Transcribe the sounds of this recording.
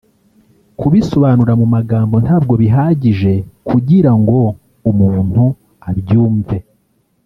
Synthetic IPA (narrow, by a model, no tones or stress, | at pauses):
kuβiso̞βaːnuɾamumaɡaːmbo̞n̥haːb̚ɡo̞βiɦaːɟiʒe̞kʰuɟiɾaŋɡo̞ | umuːn̥hu | aβjuːɱve̞